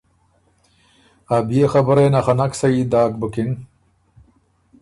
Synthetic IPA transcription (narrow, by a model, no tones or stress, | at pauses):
abjexabəɾenaxanaksaid̪aːk̚bəkɪŋ